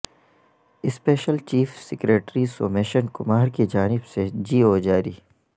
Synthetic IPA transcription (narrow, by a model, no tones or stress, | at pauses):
ɪspeːʃəlt͡ʃiːfsɪkɾeːʈɾisoːmeːʃənkʊmaːɾkid͡ʒaːnɪbsed͡ʒiːoːd͡ʒaːɾiː